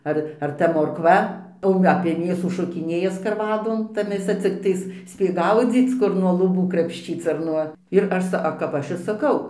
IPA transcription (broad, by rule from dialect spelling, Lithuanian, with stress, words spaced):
ˈɐr ɐr ˈtɐ moːrkˈʋɐ oː ɐpʲiɛ ˈmʲeːsuː ˈʃoːkʲɪˈnʲeːjɛ skɐrˈʋɑːdoːn ˈtɐ mʲeːˈsɐ t͡sʲɪkˈtɐɪs ˈsʲpʲeːk ˈɡɐʊd͡zʲiːt͡s ˈkʊr nuɔ lˠʊˈbuː krɐpʲʃʲˈt͡ʃʲiːt͡s ɐr ˈnuɔ ɪr ˈɐʃ sɐ ɐ kɐp ˈɐʃ ɪr sɐˈkɐʊ